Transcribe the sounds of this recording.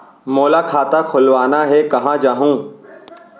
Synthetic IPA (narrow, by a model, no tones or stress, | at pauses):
moːlakʰaːt̪akʰʊlʋaːnaɦɛkɐɦãd͡ʒaːɦũː